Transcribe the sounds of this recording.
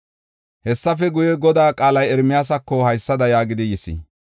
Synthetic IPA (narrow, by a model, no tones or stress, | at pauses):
hɛsːɐfɛɡʊjɛɡɔd̪aːkʼaːlɐjɛɾmɪjaːs̬ɐkːɔhɐjsːɐd̪ɐjaːɡɪd̪ɪjɪsɪ̰